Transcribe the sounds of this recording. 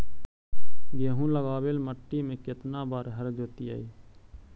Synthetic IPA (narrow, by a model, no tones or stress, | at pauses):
ɡeːɦũːləɡaːweːlməʈːimẽːkɪt̪naːbaːɾɦəɾd͡ʒoːt̪ija̰ːiː